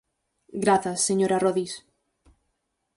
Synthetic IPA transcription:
ɡɾaθasːeɲoɾaroðis

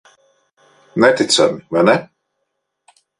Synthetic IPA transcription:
nɛt̪it̪sa̰mivajnɛ

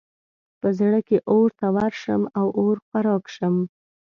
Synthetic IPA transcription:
pəzɽəkeʔoɾt̪awaɾʃəmawʔoɾxaɾɑkʃəm

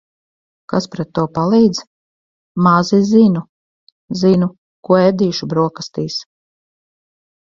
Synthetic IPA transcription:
kaspɾɛt̪ːuɔpalˠiːd̪z | mazizinu | zinu | kuɔɛd̪iːʃubɾuɔkast̪iːs

